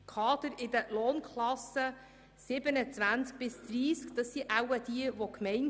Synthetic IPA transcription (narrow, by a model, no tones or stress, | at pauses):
kʰɑːd̥̪əɾɪd̪əloːnkʰlɑsə | sɪbənət͡sʋænsk̚b̥ɪsd̪̥ɾiːskd̥̪ɑsːiʔæwəd̥̪iəʋokmɛɪn